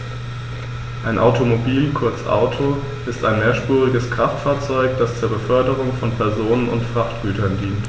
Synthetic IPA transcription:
ʔaɪnʔa̰ʊtʰomobiːlkʰʊɐt͡sʔa̰ʊtʰo | ʔɪstaɪnmeːɐʃpuːʁɪɡəskʁ̥aftfaːɐt͡sɔʏkd̥ast͡suːɐbəfœɐdəʁ̞ʊŋfɔnpʰɛɐzoːnənʊ̰ntfʁ̥aftɡ̥yːtʰɐndiːnt

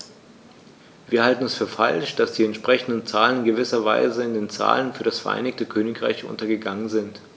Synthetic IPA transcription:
viːɐhaltn̩ɛsfyːɐfa̰lʃd̥asd̥iːɛntʃpʁ̥ɛçn̩dən̩t͡saːlənɪnɡəvɪsɐva̰ɪzəɪndeːnt͡sa̰ːlənfyːɐɾasfɛɐʔa̰ɪnɪçtəkʰøːnɪkʁ̥a̰ɪçʔʊ̰ntɐɡəɡaŋənzɪnt

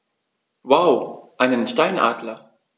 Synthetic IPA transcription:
waʊʔaɪnənʃtaɪnʔa̰ːdlɐ

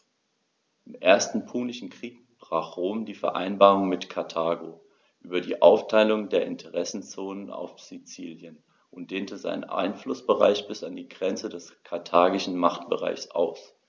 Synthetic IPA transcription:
ʔɪmʔeːɐstn̩pʰuːnɪʃn̩kʁ̥iːk̚ | b̥ʁaːχʁ̥oːmdiːfɛɐʔa̰ɪnbaːʁʊŋmɪtkʰaɐtʰaːɡoː | ʔyːbɐdiːʔaʊftʰaɪlʊŋdeːɐʔɪntʰəʁɛsn̩t͡soːnəna̰ʊfz̥it͡siːljən | ʔʊnt̚d̥eːntəza̰ɪnə̰nʔa̰ɪnflʊsb̥əʁa̰ɪçb̥ɪsandiːɡʁɛnt͡sədɛskʰaɐtʰaːɡɪʃn̩maχtb̥əʁa̰ɪçsʔa̰ʊs

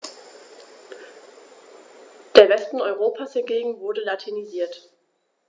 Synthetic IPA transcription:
d̥eːɐvɛstn̩ɔʏʁ̞oːpʰashɪɐɡeːɡŋ̩vʊɐdəlatʰiniziːɐt

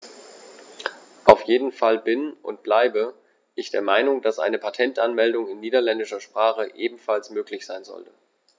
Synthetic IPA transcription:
ʔaʊfjeːdn̩falbɪnʔʊ̰ntb̥laɪbə | ʔɪçd̥eːɐmaɪnʊŋd̥asʔa̰ɪnəpʰatʰɛntʔanmɛldʊŋɪnːiːdɐlɛndɪʃɐʃpʁ̥aːχəʔeːbm̩falsmøːklɪçz̥aɪnzɔ̰ltə̥

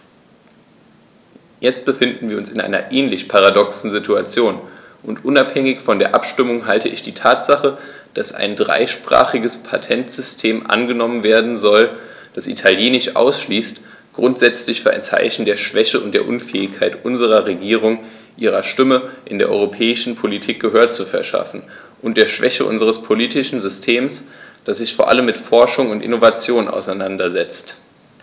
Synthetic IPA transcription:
jɛt͡st̚b̥əfɪndn̩viːɐʊnsɪnʔa̰ɪnɐ̰ʔɛːnlɪçpʰaʁ̞adɔksn̩zɪtʰuat͡sjoːn | ʔʊntʔʊnaphɛŋɪçfɔndeːɐʔa̰pʃtɪmʊŋɦaltəʔɪçd̥iːtʰaːtz̥aχə | d̥asʔa̰ɪndʁa̰ɪʃpʁ̥a̰ːχɪɡəspʰatʰɛntz̥ʏstʰeːmʔa̰nɡənɔmənveːɐdn̩zɔl | d̥asʔḭtʰaljeːnɪʃʔa̰ʊsʃliːst | ɡ̥ʁʊntz̥ɛt͡slɪçfyːɐʔa̰ɪnt͡sa̰ɪçn̩deːɐʃv̥ɛçəʊnt̚d̥eːɐʔʊnfɛ̰ːɪçkʰaɪtʔʊnzəʁ̞ɐʁeɡiːʁ̞ʊŋ | ʔiːʁ̞ɐʃtɪməʔɪndeːɐʔɔ̰ʏʁopʰɛːɪʃn̩pʰolitʰiːk̚ɡ̥əɦøːɐt͡sufɛɐʃa̰fn̩ | ʔʊnt̚d̥eːɐʃv̥ɛçəʔʊ̰nzəʁəspʰoliːtɪʃn̩zʏstʰeːmsd̥asz̥ɪçfoːɐʔa̰ləmːɪtfɔɐʃʊŋʊntʔɪ̰novat͡sjoːnʔa̰ʊsaɪnandɐzɛt͡st

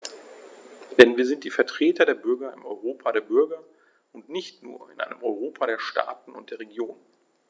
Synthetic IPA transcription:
d̥ɛnviːɐzɪnt̚d̥iːfɛɐtʁ̥eːtɐdeːɐbʏɐɡɐɪ̰mɔ̰ʏʁoːpʰaɾeːɐbʏɐɡɐ | ʊntnɪçtnṵːɐɪ̰nʔa̰ɪnəmʔɔʏʁoːpʰaɾeːɐʃta̰ːtn̩ʊ̰nt̚d̥eːɐʁeɡjoːn

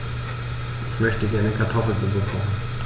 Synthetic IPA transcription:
ʔɪçmœçtəɡɛɐnəkʰaɐtʰɔfl̩t͡subufan̩

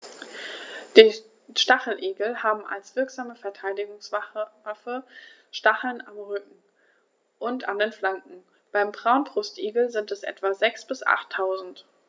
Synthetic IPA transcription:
d̥iː | ʃtaχl̩ʔeːɡl̩haːbm̩a̰lsv̥ɪɐkz̥aːməfɛɐtʰaɪdɪɡʊŋsvafə | ʃtaχl̩namʁʏkŋ̩ | ʔʊntandeːnflaŋkŋ̩ | b̥aɪmbʁaʊnbʁʊstʔeːɡl̩zɪntɛsʔɛ̰tv̥azɛksb̥ɪsʔa̰χtʰːaʊzn̩t

